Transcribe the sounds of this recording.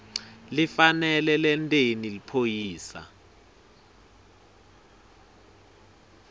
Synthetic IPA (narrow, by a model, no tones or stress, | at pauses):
lifanɛlɛlɛntʼenilipʰojiːsa̰